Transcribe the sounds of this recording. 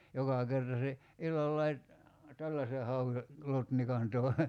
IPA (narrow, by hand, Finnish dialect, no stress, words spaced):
jokɑ kertɑ se ilːɑlːɑi tælːæse hɑue lotnikɑn toˑi̞